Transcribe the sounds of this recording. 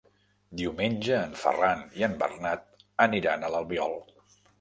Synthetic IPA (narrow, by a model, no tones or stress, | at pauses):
d̪iumenʲd͡ʒəːɱfə̰raniəmbə̰rnat̪̚əniɾanələlˠβiɔlˠ